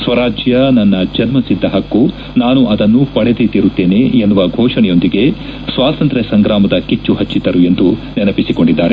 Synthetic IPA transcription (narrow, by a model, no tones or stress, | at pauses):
sʋɐɾaːd͡ʒjɐnɐnːɐd͡ʒɐnmɐsid̪ːɐɦɐkːu | naːnuʔɐd̪ɐnːupɐɽed̪et̪iɾut̪ːe̞ːne̞ːnːuʋɐɡʱɔːʂɐɳɛjo̞nd̪iɡe̞ | sʋaːt̪ɐnt̪ɾesɐŋɡɾaːmɐd̪ɐkit͡ʃːuɦɐt͡ʃːit̪ɐɾue̞nd̪unenɐpisiko̞ɳɖid̪ːaːɾe